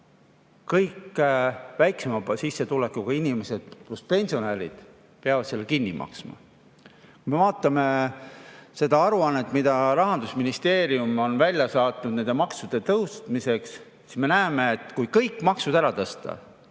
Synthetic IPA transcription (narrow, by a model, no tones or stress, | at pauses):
kɤjkː | væjksemɑsisːe̞t̪ule̞kːˑukɑinime̞se̞d̪̥̚pluspe̞nʲsio̞nælḭd̪̥ | peɑvɑd̪̥selːekinːimʔɑ̰ksmɑ̰ | kujme̞vɑːt̪ːˑɑme | se̞d̪ɑɑɾuɑnːet̪ːˑmid̪̥ɑɾɑɦɑnd̪usminist̪e̞ːɾiumo̞nvælʲjɑsɑːt̪ˑnud̪nend̪e̞mɑksud̪̥e̞t̪ɤwst̪mise̞ks | si̥sme̞næeme̞ːt̪kujkɤjkːˑmɑksud̪æɾɑt̪ɤst̪ɑ̰